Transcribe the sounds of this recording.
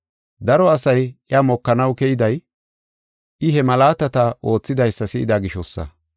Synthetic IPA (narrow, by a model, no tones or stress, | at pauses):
d̪ɐɾɔɐsɐjɪamɔkːɐnɐwkɛjɪd̪ɐj | ɪɦɛmɐlaːt̪ɐt̪ɐʔo̞ːt͡sːɪd̪ɐjsːɐsɪʔɪd̪aɡɪʃɔsːɐ̰